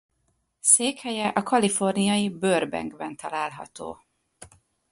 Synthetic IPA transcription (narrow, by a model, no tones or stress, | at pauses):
seːkhɛjɛʔɒkɒlifo̞rnijɒjibørbɛ̰ŋɡbɛnt̪ɒlaːlɦɒ̰t̪o̰ː